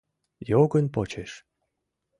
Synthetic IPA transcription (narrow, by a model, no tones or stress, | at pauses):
joɡə̆nʲpot͡ɕeʃ